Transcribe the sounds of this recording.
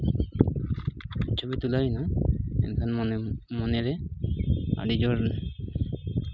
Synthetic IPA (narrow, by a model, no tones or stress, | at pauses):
t͡ʃʰobit̪ulainaɛ̰nkʰanmɔneɾɛ | a̰ɽid͡ʒɔɾn